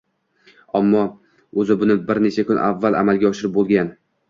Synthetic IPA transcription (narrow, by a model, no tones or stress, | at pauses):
amːɒ | ɵzɪbʊnɪbɪɾnet͡ʃʰakʰʊnʔa̰vːala̰malɡʲaɒʃɪɾɪp̚bolˠɡʲan